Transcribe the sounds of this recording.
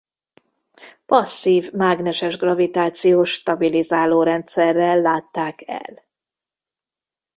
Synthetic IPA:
pɒsːiːvmaːɡnɛʃɛʒɡrɒvit̪aːt̪sijoːʃt̪ɒbilizaːloːɾɛnt̪sɛrːɛlːaːt̪ːaːkɛ̰l

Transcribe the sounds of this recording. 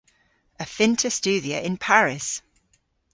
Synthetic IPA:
əfɪ̃ntʰəst͡ʃʉːdiəɪ̃npʰaɹɪs

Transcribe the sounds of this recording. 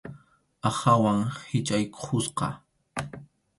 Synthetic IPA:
ahawaŋhɪt͡ʃʼajkʰʊsqɑ̰

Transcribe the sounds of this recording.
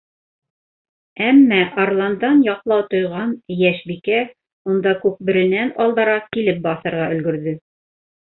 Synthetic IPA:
æmːæʔarlˠɑnd̪ɑnjɑqlˠɑwt̪ŏjʁɑnjæʃbikæ | und̪ɑkʉp̚bɘ̆ɾɘ̆nænɑlˠd̪ɑ̆ɾɑkilɘp̚bɑθɤ̆ɾʁɑʔɵ̆lɡɵ̆ɾðɵ

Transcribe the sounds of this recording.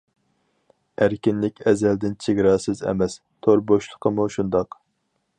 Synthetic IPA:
æɾkʲinlɪkʲɛzɛld̪ɪnt͡ʃʰeɡʲɾɑːsɨzɛ̰mɛs | t̪ʰoɾboʃlˠə̥qʰəmuʃund̪ɑq

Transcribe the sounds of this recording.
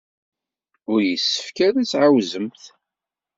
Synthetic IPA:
ʊɾjəsːə̥fkæðit͡sːʕawzəmθ

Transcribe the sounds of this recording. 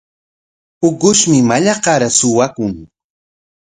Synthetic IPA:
ʊkʊʃmɪmaʎɑqɑɾasʊwakʊŋ

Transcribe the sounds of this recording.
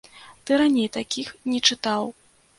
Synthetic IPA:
t̪ɨɾanʲejt̪akʲixnʲɛt͡ʂɨt̪aw

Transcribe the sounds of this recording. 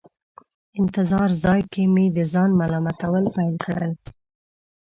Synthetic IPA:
ɪnt̪ɪzɑɾzɑjkemed̪əzɑnmalɑmat̪awəlpajlkɽə̰l

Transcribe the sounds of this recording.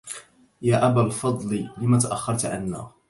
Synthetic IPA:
jaːʔabalfɑd̪ˤlilɪmaːt̪aʔaxːɑɾˤt̪ʕa̰nːa̰ː

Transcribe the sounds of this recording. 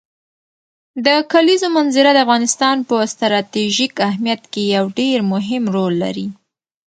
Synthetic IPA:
d̪əkalizomanzɪɾad̪əafɣɑnɪst̪ɑnpəst̪ɾɑt̪iʒikahmijat̪kejawɖeɾmʊɦɪmɾolːa̰ɾi

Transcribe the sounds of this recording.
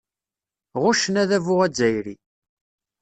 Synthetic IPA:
ʁʊʃənæðævʊʁæd͡zæjɾi

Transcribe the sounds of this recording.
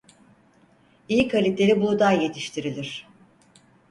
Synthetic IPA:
ijikʰalʲit̪lʲeɾibud̪aje̞t̪ʰiʃt̪ʰiɾilʲiɾ̥

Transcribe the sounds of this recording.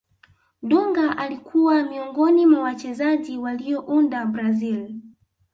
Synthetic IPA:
ɗuŋɡaʔalikʰuwamiɔŋɡɔnimwawat͡ʃɛzaʄiwalijɔʔundabɾazil

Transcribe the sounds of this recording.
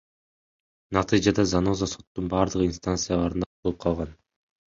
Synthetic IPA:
nɑt̪ʰɨd͡ʒad̪ɑzanozaso̞t̪ːunbɑːɾd̪ɯʁɯinst̪ant̪sɨjalˠɑɾɯnd̪ɑbo̞lˠɯp̚qʰɑlˠʁɑn

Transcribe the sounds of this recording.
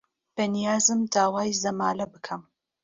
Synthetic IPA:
b̥ɐnijaːzɨmd̪aːwaːjzɐmaːlɐbɨkʰɐm

